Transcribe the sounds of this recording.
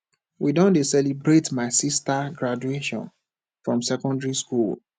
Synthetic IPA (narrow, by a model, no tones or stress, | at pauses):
widɔ̃ndesɛlibɹetmaɪsistaɡɹad͡ʒueʃɔ̰̃n | fɹɔ̃msɛkɔ̃ndɹiskul